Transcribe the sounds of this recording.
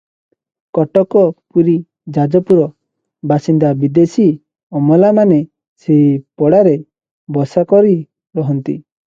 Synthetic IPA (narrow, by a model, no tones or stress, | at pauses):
kɔʈɔkɔpuɾi | d͡ʒad͡ʒɔpuɾɔ | basind̪abid̪esi | ɔmɔlamane | sepɔɽaɾe | bɔsakɔɾi | ɾɔɦɔnt̪i